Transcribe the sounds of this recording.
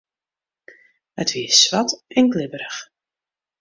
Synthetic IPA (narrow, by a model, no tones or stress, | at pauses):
hə̰tʋiəsʋatɛnɡlɪbəɾəx